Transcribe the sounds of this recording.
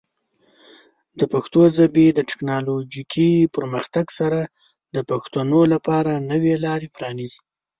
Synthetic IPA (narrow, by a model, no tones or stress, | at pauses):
d̪əpaxt̪ozabed̪əʈɪ̥knɑlod͡ʒikʰipəɾməxt̪aɡsaɾa | d̪əpaxt̪anolapɑɾanəwelɑɾepɾɑnizi